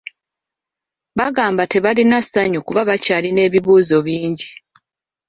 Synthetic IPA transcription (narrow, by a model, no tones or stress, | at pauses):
βaɡaːmbate̞βalinasaɲukuβaβacaːline̞ːβiβuːzo̞βiːɲɟi